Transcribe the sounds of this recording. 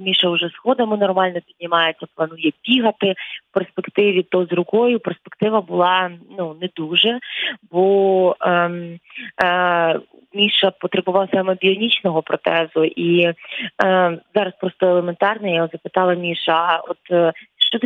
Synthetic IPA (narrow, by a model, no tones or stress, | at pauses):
mʲiʃɐʊʒɛsxɔd̪ɐmɪnɔrmɑlʲnɔpʲid̪ʲnʲɪmɑjet͡sʲːɐplˠɐnujɛpʲiɦɐt̪ɪwperspekt̪ɪʋʲit̪ɔzrʊkɔjʊperspekt̪ɪʋɐbʊlˠɑnunɛd̪uʒɛbɔ | mʲiʃɐpɔt̪ɾebʊʋɑwsɑmɛbʲiɔnʲit͡ʃnɔɦɔpɾɔt̪ɛzʊʔi | zɑɾɐspɾɔst̪ɔelˠement̪ɑrnɐjaɔzɐpɪt̪ɑlˠɐmʲiʃɐɔt̪ʃt͡ʃɔt̪